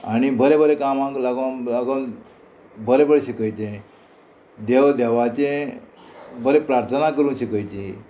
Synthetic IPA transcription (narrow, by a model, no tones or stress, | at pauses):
añibəɾebəɾekamãŋklaɡalaɡon | bəɾebəɭeɕəkəjt͡ɕẽ | d̪eʋd̪eʋat͡ɕẽ | bəɾepɾaɾt̪ʰənakəɾũnɕəkəjt͡ɕi